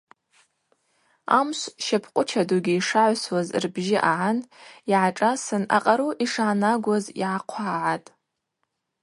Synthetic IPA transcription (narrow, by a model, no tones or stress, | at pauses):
a̰mʃʷʃapʰqʷʼʊt͡ʃʰadoɡʲiːʂaʕʷswazrbʒɪʔaʕaniʕaʈ͡ʂʼasɨna̰qʼaɾuʔiʂaʕːnaɡʷazḭʕaqʷʰaʕatʼ